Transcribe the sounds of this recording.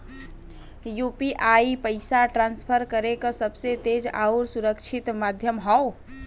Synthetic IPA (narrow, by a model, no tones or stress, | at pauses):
jupiʔaipəɪsaʈɾãnspʰəɾkəɾekəsəbset̪ed͡ʒa̰uɾsuɾəkt͡ʃʰit̪mad̪ʱjəmɦɔo